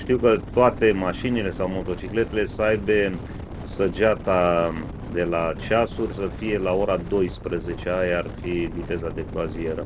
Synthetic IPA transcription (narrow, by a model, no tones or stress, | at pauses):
ʃt̪iwkət̪oat̪e̞maʃinile̞sawmo̞t̪o̞t͡ʃikle̞t̪e̞le̞səajbe̞ | səd͡ʒat̪a | d̪e̞lat͡ʃasurʲsəfije̞lao̞ɾad̪o̞jspɾəze̞t͡ʃe̞ajarfivit̪e̞zad̪e̞klazieɾə